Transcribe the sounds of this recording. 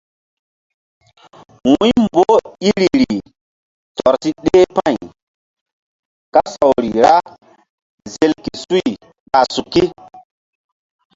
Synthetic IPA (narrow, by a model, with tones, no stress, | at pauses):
wũ˦jmbo˦i˦ɾi˨ɾi˨ | tɔ˨ɾsi˦ɗe˦pã˦˨j | ka˦sa˨wɾi˨ɾa˦ | ze˨lki˨su˦i˨ | ka˨su˨kːi˦